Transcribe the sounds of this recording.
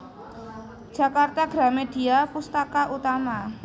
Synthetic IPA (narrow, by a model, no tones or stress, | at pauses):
d̥ʒ̥a̤kart̪aɡ̥ɾameɖ̥i̤apust̪akaʔut̪ama